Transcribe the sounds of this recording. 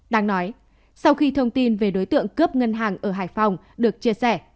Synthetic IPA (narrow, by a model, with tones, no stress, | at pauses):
ɗaː˨˦ŋnɔ˨˦j | sa˧wxi˧t̪ʰə˧wŋ͡mt̪i˧nve˨˩ɗo˨˦jt̪ɨ̰˧˨əŋkəː˦˥p̚ŋə˧nɦaː˨˩ŋʔəː˧˩ɦaː˧˩jfa˨˩wŋ͡m | ɗɨ˨˩ək̚t͡ɕi˧əsɛ˧˩